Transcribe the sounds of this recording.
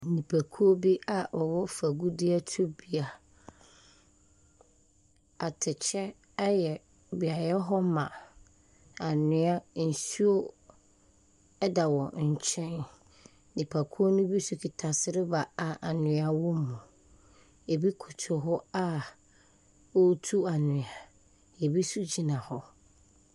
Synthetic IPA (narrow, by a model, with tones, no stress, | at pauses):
nĩ˨pʰa˨kʰu˦o˦bi˦a˨ʔɔ˨wɔ˦fa˨ɡu˦dɪ˦a˦tʰu˦bi˦a˨ | a˨tʰɪ˨t͡ɕʰɛ˦ | a˦jɛ˨ | bi˨a˨jɛ˦ɦɔ˦mã˨ | a˨nɪ̃˨˦a˦n̩˨su˦o˦ | ɛ˦da˨wɔ˨ɲ̩˨t͡ɕʰɛ̃˦n | dɪ˨pʰa˨kʰu˦o˦nʊ̃˦bi˦su˨kʰi˨tʰa˨sɪ˦ɾɪ˦ba˨a˨ʔa˨nɪ̃˨˦a˦wɔ̃˦mũ˨ | e˨bi˦kʰʊ˨tʰʊ˨ɦɔ˦a˦ | o˦tʰu˦a˨nʊ̃˨a˨ | e˨bi˦su˦d͡ʑi˨nã˨hɔ˦